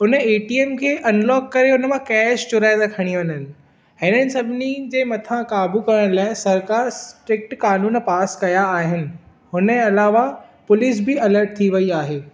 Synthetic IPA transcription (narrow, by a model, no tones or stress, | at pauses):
ʊnəeːʈiːemkʰeːʔɐnlɔːkkːɐɾeɦʊnəmãkɛːʃt͡ɕʊɾaːɪd̪akʰɐɽ̃iʋɐɲənɪ̆ | ɦɪnənɪ̆sɐbʱɪnid͡ʑeːmɐt̪ʰãkaːbukɐɾəɽ̃laːɪ̃sɐɾkaːɾsʈɾɪk̚ʈkaːnuːnpaːskɐjaːɦɪnɪ̆ | ɦʊnəɐlaːʋapʊliːs̬bɪɐləɾʈ̚t̪ʰiʋɐiaːɦeː